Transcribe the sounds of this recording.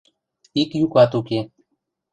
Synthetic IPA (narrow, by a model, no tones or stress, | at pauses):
ikjukaːt̪uke